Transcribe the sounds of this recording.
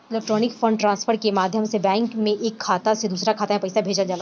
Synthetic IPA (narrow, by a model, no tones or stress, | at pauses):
ɪlɛk̚ʈɾɔːnɪkfə̃ɳɖʈɾãːnsfʰəɾkemaːd̪ʱjəmsebɛ̃ːŋkmẽʔeːkʰːaːt̪ased̪uːsɾakʰaːt̪amẽpɐɪsabʱeːd͡ʒəld͡ʒaːla